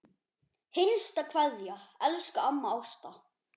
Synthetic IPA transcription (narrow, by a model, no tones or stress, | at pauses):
hɪnst̪akʰvaðjaɛlskaamːaawst̪a